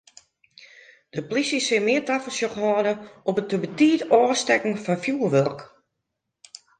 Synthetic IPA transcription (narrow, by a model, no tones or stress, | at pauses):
d̥əplisəsɪmɪːətafəlsjoχhɔːdəɔpətəbətiːdɔːstɛkŋ̩fɔnfjuːərʋørk